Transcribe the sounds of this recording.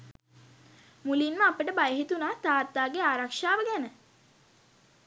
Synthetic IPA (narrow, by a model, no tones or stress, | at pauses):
mulinməapəʈəbajəɦit̪unaːt̪aːrt̪ːaːɡeaːɾakʂaːʋəɡænə